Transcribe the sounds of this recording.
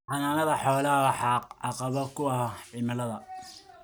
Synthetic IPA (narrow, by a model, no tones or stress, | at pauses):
ħɑnaːnɐðɐħɔːlɐħɑqʕɑqɑβɔkʰʊwɑʕɪmɐlɐðɐ